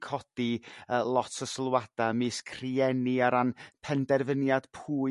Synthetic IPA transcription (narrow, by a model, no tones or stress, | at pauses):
kʰɔd̥iəlˠɔtʰəslˠwad̥amɨskʰr̥iɛniaɾanpʰɛndɛrvənjad̥pʰuː